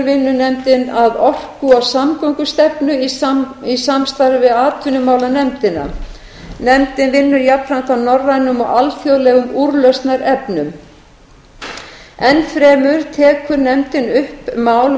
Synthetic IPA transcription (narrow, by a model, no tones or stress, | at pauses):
ɾvɪnːʏnɛmt̪ɪnaðɔr̥kʏɔwsamkɔŋkʏst̪ɛpnʏiisamst̪aɾvɪðaːt̪ʰʏnʏmaːwlanɛmt̪ɪnːa̰ | nɛmt̪ɪnvɪnːʏɾjapɾan̥t̪awnɔrːajnʏmɔɣalθjowðlɛːɣʏmuɾlœst̪naɾɛpnʏm | ɛnfɾɛːmʏɾt̪ʰɛːkʰʏɾnɛmt̪ɪnʏhpmaːwl